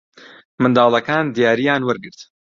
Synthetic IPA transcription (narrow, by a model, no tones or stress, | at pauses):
mɨnd̪ɑːlˠɐkaːnd̪ijaːɾijaːnwɨɾɡɨɾt̪